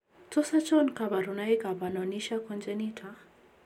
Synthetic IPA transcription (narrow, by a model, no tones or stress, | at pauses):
t͡sɔsat͡ʃɔnkabaɾunaikabanɔniʃakɔnd͡ʒɛnitʰa